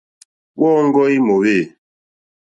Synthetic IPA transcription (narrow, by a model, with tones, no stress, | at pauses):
ɓɔː˦ŋ̩˦ɡɔ˦i˦mo˨βe˦˨